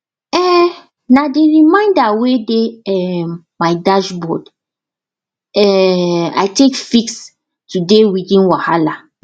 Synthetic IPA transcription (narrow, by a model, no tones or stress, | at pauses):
ɛ | nadiɹimãɪ̃ndawedeɛm | maɪdad͡ʒbɔ̰d | ɛa̰jtekfiks | tudewidĩnwahala